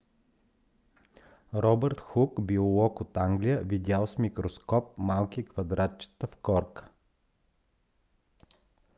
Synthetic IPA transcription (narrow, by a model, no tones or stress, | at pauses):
ɾɔbɛɾt̪xukbiolˠɔkot̪aŋɡlijəvid̪ʲalˠsmʲikɾoskɔp̚malˠkikvɐd̪ɾat̪t͡ʃə̥t̪əfkɔɾkə̥